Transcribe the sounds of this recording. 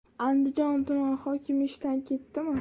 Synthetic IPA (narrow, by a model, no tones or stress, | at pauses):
and̪ɪd͡ʒɒnt̪ʊmanχɒkʲʰɪmɪʃt̪ankʲʰe̞t̪ːɪmɪ